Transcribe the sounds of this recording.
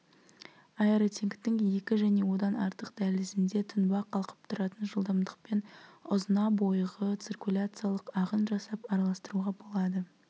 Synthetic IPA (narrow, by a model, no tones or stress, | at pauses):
ɑjeɾot̪ʰeŋkt̪ɪŋje̞kʲɪʒæne̞wo̞d̪ɑnɑɾt̪əqd̪̥ælɪsɪnd̪e̞t̪ʰʊnbɑqʰɑlˠqə̥p̚t̪ʰʊɾɑt̪ənʒəlˠd̪ɑmd̪əq̚pe̞nʊzənɑbo̞jʁət̪sirkulʲat̪sɨjalˠəqɑʁənʒɑsɑpɑɾɑlˠɑst̪əɾuʁɑbo̞lˠɑd̪ə